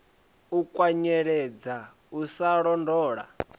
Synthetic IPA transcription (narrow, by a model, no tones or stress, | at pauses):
ukʼwaɲɛɺɛd͡za | usaɺɔndɔːɺa̰